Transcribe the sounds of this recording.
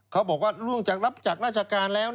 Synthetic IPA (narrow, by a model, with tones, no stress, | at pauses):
kʰa˦˥wbɔː˨˩k̚waː˥˩ɾu˧˩əŋt͡ɕaː˨˩k̚ɾa˦˥p̚t͡ɕa˨˩k̚ɾaː˥˩t͡ɕʰa˧kaː˧nlɛː˦˥w